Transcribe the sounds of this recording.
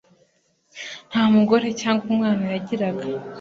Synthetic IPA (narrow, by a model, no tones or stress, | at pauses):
n̥haːmuɡo̞ɾe̞caːŋɡumŋaːnajaɟiɾaɡa